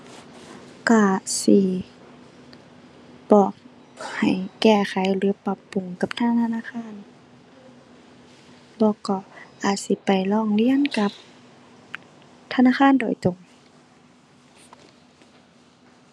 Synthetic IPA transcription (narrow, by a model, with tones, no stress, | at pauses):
ka˧˩si˧˩ | bɔː˨˩k̚ | ha˨˩jkɛː˧˩xʰa˨˦jlɯː˨˦pa˧˦pːu˨˩ŋka˨˧˦p̚t̪ʰaː˧˥˨t̪ʰa˧naː˧˥˨xʰaː˧˥˨n | bɔː˧˦kɔː˧˩ʔaː˨˩t̪̚si˧˦pa˨˩jlɔː˧˩˨ŋli˧˥˨ənka˧˦p̚ | t̪ʰa˧naː˧˥˨xʰaː˧˥˨ndoː˨jt̪o˨˩ŋ